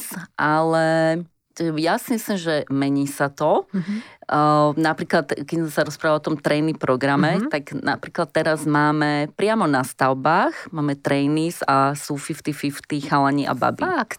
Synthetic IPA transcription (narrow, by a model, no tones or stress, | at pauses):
sʔalɛ | jasimislimʒɛmɛɲiːsat̪ɔ | napɾiːklat̪kɛsɛsaɾɔspɾaʋaɔt̪ɔmt̪ɾɛjnipɾɔɡɾamɛt̪aɡna̰pɾiːklat̪ːɛɾazmaːmɛpɾɪamɔnast̪aʊbaːxmaːmɛt̪ɾɛjnizasuːfift̪ifift̪ixalaɲiʔa̰ba̰bi